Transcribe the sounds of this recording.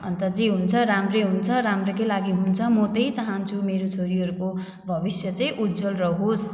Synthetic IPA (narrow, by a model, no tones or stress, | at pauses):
ʌ̰nt̪ʌd͡ziɦunt͡sʰʌɾamreɦunt͡sʰʌɾamrʌkʌlaɡiɦunt͡sʰʌmʌt̪ʌjt͡saɦʌnt͡sʰumeɾot͡sʰoɾiɦʌɾuko | bʱʌbisjʌt͡sʌĩʔud̪d͡zʌlrʌɦos